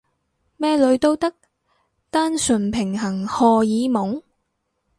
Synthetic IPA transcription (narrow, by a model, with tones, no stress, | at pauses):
mɛː˥lɵ˨˧˥ɥt̪o˥wt̪ɐ˥k̚ | t̪aː˥nsɵ˨˩npʰɪ˨˩ŋɦɐ˨˩ŋhɔː˧jiː˨˧˥mʊ˨˥ŋ